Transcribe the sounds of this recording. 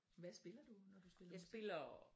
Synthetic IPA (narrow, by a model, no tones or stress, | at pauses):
ʋæsb̥e̝lɐd̥unɒd̥usb̥e̝lɐjsbe̝lɐ